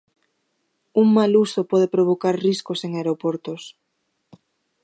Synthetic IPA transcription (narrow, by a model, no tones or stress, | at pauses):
uŋmalusopɔðepɾoβokaɾriskoseŋaeɾopoɾt̪os